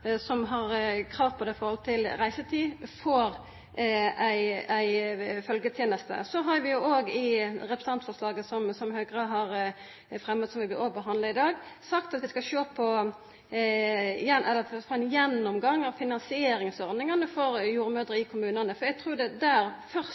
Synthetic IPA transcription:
sɔmɦɑɾkʰɾɑːʋpʰɔd̪ɛɪfɔɾhɔlt̪ʰɪlɾæɪsət̪ʰiːfɔɾ | æɪæɪfœlɡət̪ʰjeːnəst̪ə̰sɔɦɑɾʋɪjʊoːɡɪɾɛpɾəsɑnt̪fɔʁʂlɑːɡəsɔmsɔmhøːɡʁəɦɑɾ | fɾɛmːət̪sɔmʋɪblɪobəɦɑnd̪ləɪd̪ɑːɡsɑkt̪ɑt̪ʋɪskɑɕøːpʰɔ | jɛnɛlːəfɔt̪fɔænjɛnːɔmɡɑŋːɑʋfɪnɑnsɪeːɾɪŋsɔɾd̪nɪŋɑnəfɔɾjuːɾəmøːd̪ɾəɪkʰʊmʉːnənəfɔɾæɪɡ̚t̪ʰɾuːd̪ɛd̪æːɾfœʁ

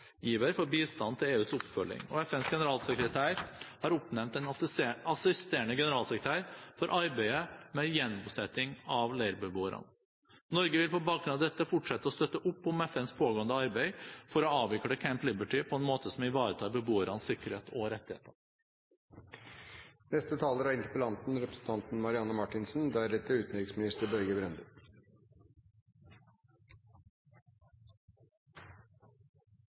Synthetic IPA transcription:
jiːʋəɾfɔɾbiːst̪ɑnt̪ʰɪleːʉːsʊpfœlɪ̰ŋɔ̰ɛfɛnsɡɛnəɾɑːlsəkɾət̪ʰæːɾhɑɾʊpːnɛmnt̪ɛnɑsɪst̪eːɳəɡɛnəɾɑːlsəkɾət̪ʰæːɾfɔɾʔɑɾbæɪəmɛjɛnbʊsɛt̪ɪŋɑʋleɪɾbəboːəɾɑ̰n | nɔɾɡəʋɪlpɔbɑːkɾʉnɑd̪ɛt̪ːəfʊʈʂɛt̪ːəɔst̪œt̪ːəʔʊpːɔmɛfɛnspʰoːɡoːənd̪əɑɾbæɪfɔɾɔɑːʋɪkɽəkʰæmplɪbəʈɪpʰɔɛnmoːt̪əsɔmɪʋɑːɾət̪ʰɑːbəbuːəɾɑnsɪkəɾheːt̪ʰɔɾɛt̪ːɪhḛːt̪ə | nɛst̪ət̪ʰɑːləɾæɪnt̪ə̥pəlɑnt̪n̩ɾɛpɾəsn̩t̪ʰɑnt̪n̩mɑɾɪɑnːəmɑʈɪnsn̩d̪æɾɛt̪ːəʉːt̪nʏkɪŋsmɪnɪst̪əɾbœɾɡəbɾɛnd̪ə

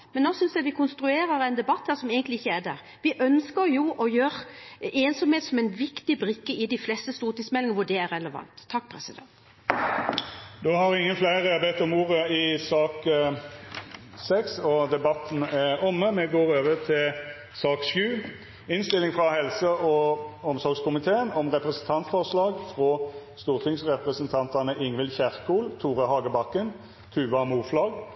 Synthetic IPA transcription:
mɛnːɔsʏnsd̪æʋɪkʰʊnst̪ɾʉeːɾəɾɛɪnd̪ɛbɑt̪hæːɾsɔmeːɡənt̪lɪɪçːəæd̪æ̰ːɾ | ʋɪʔœnskəɾjʊʔɔjøːɾeːnsɔmheːt̪sɔmɛɪnʋɪkt̪ɪbɾɪkːəɪd̪ɪflɛst̪əst̪uːʁət̪ɪsmɛlɪŋəʋʊɖ̪ɛæɾɛləʋɑ̰nt̪ʰːɑkːpʰɾɛsɪd̪ɛ̰nt̪ | d̪øhɑɾɪŋːənflæɪɾəbɛt̪ːɔmuːɾəɪsɑːk | sɛksɔd̪ɛbɑt̪ːnæʁɔmːəmɛɡoːʁøːʋəʁt̪ʰɪl | sɑːksjʉː | ɪnst̪ɪlɪŋfʁɑhɛlsəʔɔɔmsɔʁɡskʰʊmɪt̪ʰeːənɔmʁɛpʁəsən̩t̪ʰɑnt̪sfɔʁslɑːɡfʁoːst̪uːʁt̪ʰɪŋsʁɛpʁəsənt̪ʰɑnt̪ɑnəʔɪŋʋɪlçæʁkuːlt̪ʰuːʁəhɑːɡəbɑkːən | k̪ʰʉːʋɑmuːʁflɑːɡ

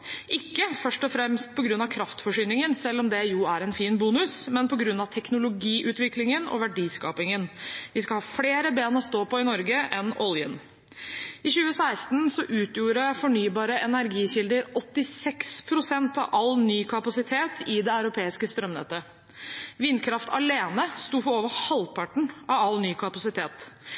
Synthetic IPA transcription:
ʔɪkːəfœʂʈɔfɾɛmst̪̚pʰɔɡɾʉnːɑʋkʰɾɑft̪fɔʂyːnɪŋənsɛlːɔmd̪ɛjuæɾɛnfiːnbuːnʉsmɛnpɔɡɾʉnːɑʋt̪ʰɛknʊlʊɡiːʔʉːt̪ʋɪklɪŋənɔ̰ʋæɖiːskɑ̰ːpɪŋənʋɪskɑhɑːfleːɾəbeːnɔst̪oːpɔɪnɔɾɡəʔɛnɔljə̰n | ɪçʉːəsæɪst̪nsɔʔʉːt̪juːɾəfɔɳyːbɑːɾəʔɛnæɾɡiːçɪld̪əɾɔt̪ːɪsɛkspʰɾʊsɛnt̪ɑ̰ʋʔɑlnyːkʰɑpɑsɪt̪ʰeːt̪ʰɪd̪ɛɑʉɾʊpʰeːɪskəst̪ɾœmnɛ̰t̪ːə | ʋɪnkʰɾɑft̪ʰɑ̰leːnəst̪uːfɔoːʋəhɑlpʰɑʈɳ̩ɑʋɑlːnyːkʰɑpɑsɪt̪ʰeːt̪

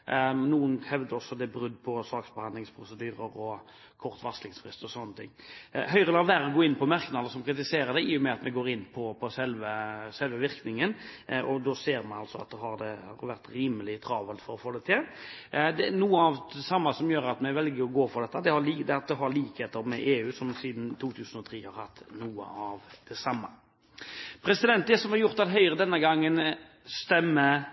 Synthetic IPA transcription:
nuːənhɛʋd̪əɾɔsːɔd̪ɛbɾʉd̪ːpʰɔsɑːksbɛhɑnlɪŋspʰɾʊsəd̪yːɾəɾɔ | kʰɔʁt̪ʋɑslɪŋsfɾɪst̪ɔsɔnːət̪ʰɪ̰ŋːɦœʏɾəlɑːʋ̪æːɾɔɡoːɪnːpʰɔmæɾknɑd̪əɾsɔmkʰɾɪt̪ɪseːɾəd̪ɛɪjʊmɛɑt̪mɛɡoːɾɪnːpʰɔpʰɔsɛlʋəsɛlʋəʋɪɾknɪŋənʔɔd̪oseːɾmɛnɑlsɔɑt̪̚d̪ɛɦɑɾd̪ɛhɑ̰ɾʋæɾt̪ɾiːməlɪt̪ʰɾɑːʋəlt̪fɔɾɔfoːd̪ɛt̪ʰɪld̪ɛnuːəɑʋd̪ɛsɑmːɑsɔmjøːɾɑt̪mɛɪʋɛlɡəɾɔɡoːfɔd̪ɛt̪ːəd̪ɛhɑliːd̪ɛɑt̪̚d̪ɛɦɑɾliːkheːt̪əɾmɛʔeːʉːsɔmsiːd̪n̩t̪ʰuːt̪ʰʉːsənɔt̪ʰɾiːhɑɾhɑt̪ːnuːə̰ɑʋd̪̥ɛsɑmːɑ̰ | pʰɾɛsɪd̪ɛnt̪d̪ɛsɔmɑɾjʊɾt̪ɑt̪ɦœʏʁəd̪ɛnːəɡɑŋːən | st̪ɛmːə

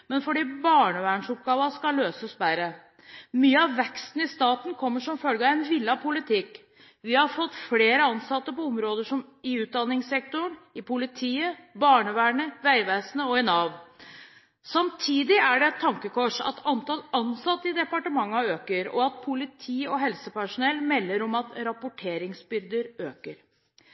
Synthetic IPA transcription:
mɛnfɔɖiːbɑːɳəʋæːɳʂɔp̚ɡɑːʋɑskɑlːøːsəsbæɾə | myːəɑʋʋɛkst̪n̩ɪst̪ɑːt̪n̩kʰɔmːəʂɔmfœlɡəæɪnʋɪlːɑpʰʊlɪt̪ʰɪkː | ʋɪhɑɾfɔt̪ːfleːɾəɑnsɑt̪ːəpɔɔmɾoːd̪əʂɔmɪʉːt̪̚d̪ɑnːɪŋsɛk̚t̪ʊɳɪpʊlɪt̪ʰiːəbɑːɳəʋæːɳəʋæɪʋæːsnəɔɪnɑːʋ | sɑmt̪ʰiːd̪ɪæɖɛɛt̪ʰːɑŋkəkʰɔʂɑ̰t̪ʰɑnt̪ɑlɑnsɑt̪ːəɪd̪ɛpɑʈəmɑŋːɑøːkəɾɔ̰ɑt̪̚pʰʊlɪt̪ʰiːɔɦɛlsəpæʂʊnɛlːmɛlːəɾɔmɑt̪ɾɑpʊʈʰeːɾɪŋsbʏɾd̪əɾøːkəɾ

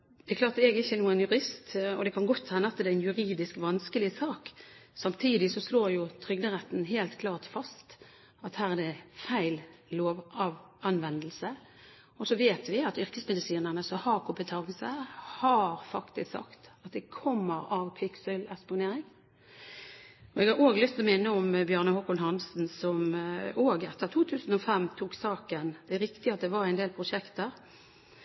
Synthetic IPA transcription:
d̪ɛklɑːt̪ɛɡɪçːənuːənjʉɾɪst̪ɔd̪ɛkʰɑnɡɔt̪ʰːɛnːəɑt̪d̪ɛæɪnjʉɾiːd̪ɪskʋɑnskəlɪsɑːksɑmt̪ʰiːd̪ɪsɔsloːɾjʊt̪ʰɾʏɡ̚d̪əʁɛt̪n̩ɦeːlt̪kʰlɑːt̪fɑst̪ | ɑt̪hæːʁæd̪ɛfæɪlloːʋɑʋɑnʋɛnd̪əlsə | ɔsɔʋeːt̪ʋɪɑt̪ʏɾkəsmɛd̪ɪsiːnəʁnəsɔhɑːkʰʊpɪt̪ʰɑɡəsəhɑɾfɑkt̪ɪsksɑ̰kt̪ɑt̪̚d̪ɛkʰɔmːəɾɑʋpʰɪksəlɛspʊneːɾɪŋ | ɔɛɡhɑɾoːɡlʏst̪ɔmæɪnəɔmbjœːʁnəhɔkːʊnɦɑnsn̩sɔmoːɡɛt̪ːəʁt̪ʰuːt̪ʰʉːsn̩ɔfɛmːt̪ʰuːksɑːkənd̪̥ɛæɾɪkt̪ɪɑt̪̚d̪ɛʋɑɾæɪnd̪eːlpʰɾʊʃɛkt̪əɾ

